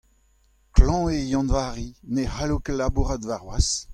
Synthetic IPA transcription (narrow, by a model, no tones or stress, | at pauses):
klɑ̃ejɑ̃nvaːʁinehalokelabuʁadvaʁwas